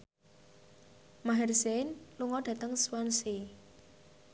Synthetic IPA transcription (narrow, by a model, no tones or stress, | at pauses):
maɦɛrsenluŋɔɖ̥ä̤t̪əŋswansi